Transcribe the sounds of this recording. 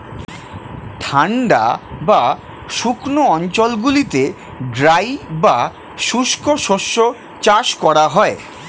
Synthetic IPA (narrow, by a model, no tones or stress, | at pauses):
ʈʰaɳɖa̰ba | ʃukʰnoɔnt͡ɕolɡulit̪e | ɡɾajba | ʃuʃkoʃoʃːo | t͡ɕaʃkɔɾaɦɔe